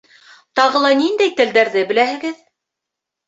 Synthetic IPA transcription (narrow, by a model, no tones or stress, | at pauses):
t̪ɑʁɤlˠɑnind̪æjt̪ɘ̆ld̪æɾðɘbɘ̆læhɘ̆ɡɘð